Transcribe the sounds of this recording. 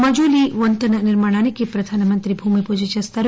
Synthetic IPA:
mɐd͡ʒuliʋɐnt̪ɐnɐnɪɾmaːɽ̃aːnikipɾɐd̪ʱaːnɐmɐnt̪ɾibʱuːmipod͡ʒit͡ʃɐst̪ʰɐɾ

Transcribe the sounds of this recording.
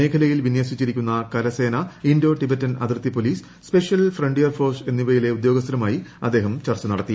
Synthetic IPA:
e̞ːkʰɐlɐjilʋinjɐːsit͡ɕːiɾikʲːunːɐkɐɾɐse̞ːnɐiɳdo̞ːʈibetːɐnɐ̰d̪rɨt̪ːipoliːs | sːpe̞ʂijɐlfreɳɖijɐrfo̞ːrse̞nːiʋɐjile̞ud̪jo̞ːɡɐst̪ɾɐmaːjiɐd̪ːe̞ːɦɐmt͡ɕɐrt͡ɕːɐnɐɽɐt̪ːi

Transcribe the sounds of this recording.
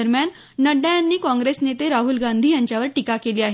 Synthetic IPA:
əɾmjanː | əɖajanːiːkɔ̃ŋɡɾesnet̪eɾaɦulɡãnd̪ʱiːjaɲt͡ɕjaʋəɾʈikakeliːaɦe

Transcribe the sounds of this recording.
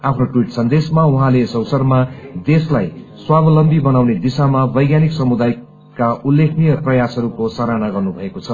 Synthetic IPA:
apʰnoʈwiʈsʌnd̪esmauɦãlesʌwsʌrmad̪eslajswabʌlʌmbibʌnawned̪isamabʌjɡjaniksʌmud̪aj | kaulːekʰnijʌprʌjasɦʌɾukosʌɾanaɡʌrnubʱʌekot͡sʰʌ

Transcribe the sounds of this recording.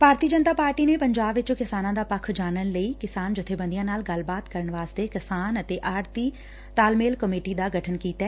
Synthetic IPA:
paːɾt̪iːd͡ʒənt̪aːpaːɾʈiːneːpəɲd͡ʒaːbʋɪt͡ʃokɪsaːnãːd̪aːpəkʰd͡ʒaːnənləiːkɪsaːnd͡ʒɪt̪ʰeːbə̃nd̪ijãːnaːlɡəlbaːt̪kəɾəɳʋaːst̪eːkɪsaːnət̪eːʔaːɾt̪iː | t̪aːlmeːlkəmeːʈiːd̪aːɡəʈʰənkiːt̪aː

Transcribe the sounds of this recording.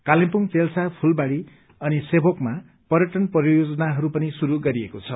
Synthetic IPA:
kalempuŋt͡selsapʰulbaɽi | ʌnisebʱokma | pʌɾʌʈʌnprjjod͡zʌnaɦʌɾupʌnisuɾuɡʌɾiekot͡sʰʌ

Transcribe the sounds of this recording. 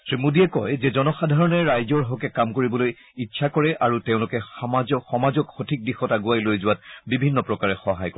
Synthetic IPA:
tɹimudiɛkɔjzɛzɔnɔxadʱaɹɔnɛːajzɔɹɦɔkɛkamkoɹibɔloj | iːsʰakɔɹɛʔaɹutẽʊ̃lʊkɛxamazɔxɔmazɔkxotʰik̚dixɔtaɡuajlojzʊwat̚bibʱinːɔpɹɔkaɹɛxɔɦajkɔ

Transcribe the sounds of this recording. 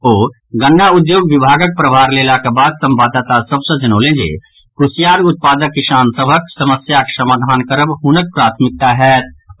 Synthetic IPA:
oː | ɡəɳːaʊd̪joːɡʋɪbʱaːɡək̚pɾəbʱaːɾleːlakebaːd̪sɐ̃mbaːd̪at̪asɐbsəd͡ʒənoːlẽːd͡ʒḛː | kɾʊsjaːɾʊt̪̚paːd̪əkːɪʃaːnsəbʱəksɐməsjaksɐmaːd̪ʱaːnkəɾəbɦʊnək̚pɾaːt̪ʰmɪk̚t̪aɦɛːt̪̚

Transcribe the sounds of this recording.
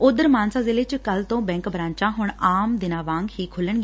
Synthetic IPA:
oːd̪əɾmaːnsãːzɪleːt͡ʃkəlt̪õːbɛ̃ːŋkbɾãːɲt͡ʃãːɦʊɳaːmd̪ɪnaːʋãːŋɡhiːkʰʊləɳɡeː

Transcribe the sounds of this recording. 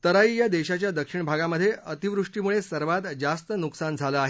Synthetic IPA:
t̪əɾaiːjad̪eɕat͡ɕjad̪əkʂiɳbʱaɡaməd̪ʱːjeʔət̪iʋɾuʂʈimuɭesəɾʋat̪d͡zast̪ənuksand͡zʱaləaɦe

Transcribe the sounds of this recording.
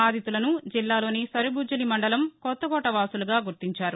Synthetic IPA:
aːd̪ʱit̪ulɐnud͡ʒilːaːlo̞ːnisɐɾibuːd͡ʒɐlimɐɳɖɐlɐmkɔt̪ːɐɡɔːʈɐʋaːsuluɡaːɡuɾt̪iɲt͡ʃaːɾu

